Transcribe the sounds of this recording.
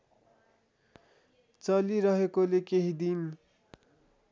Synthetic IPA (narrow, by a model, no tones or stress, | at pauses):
t͡sʌliɾʌɦekolekeɦid̪in